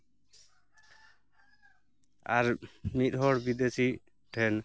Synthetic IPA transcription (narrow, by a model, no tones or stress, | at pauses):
aɾmit̪̚ɦɔɾbid̪esi | ʈʰɛn